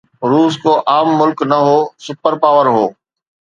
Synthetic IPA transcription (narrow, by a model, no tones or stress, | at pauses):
ɾuːskoːʔaːmːʊlknɐɦoːsʊpəɾpaːʋəɾɦoː